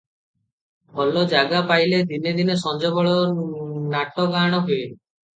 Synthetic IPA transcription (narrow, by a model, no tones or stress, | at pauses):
bɔlɔd͡ʒaɡapajled̪ined̪inesɔnd͡ʒɔbɔɭɔ | naʈɔɡaɽ̃ɔɦue